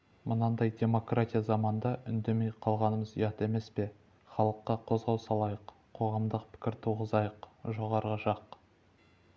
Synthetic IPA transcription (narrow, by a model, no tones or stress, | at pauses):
mənɑnd̪ɑjd̪ʲe̞mo̞krat̪ʲijazɑmɑnd̪ɑʔʏnd̪e̞me̞jqʰɑlˠʁɑnəməzḭjɑt̪e̞me̞spe̞ | χɑlˠəqːɑqʰo̞zʁɑwsɑlˠɑjəqʰ | o̞ʁɑmd̪əqpʰɪ̥kʲɪɾt̪ʰuʁəzɑjəqʒo̞ʁɑɾʁɑʃɑq